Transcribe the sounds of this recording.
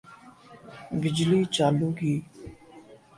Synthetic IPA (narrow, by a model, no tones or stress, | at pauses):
bɪd͡ʒliːt͡ʃaluːɡiː